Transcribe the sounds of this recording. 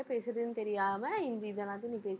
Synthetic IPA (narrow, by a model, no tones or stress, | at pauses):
ɐpeːsɾɐðɯnːɨt̪ɛɾɪjaːmɐind̪id̪ɐnaːt̪̬iniːpeːs